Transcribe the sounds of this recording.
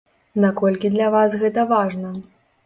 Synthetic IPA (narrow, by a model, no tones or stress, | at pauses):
nakɔlʲkʲid̪lʲɐvasɣɛt̪ɐvaʐnɐ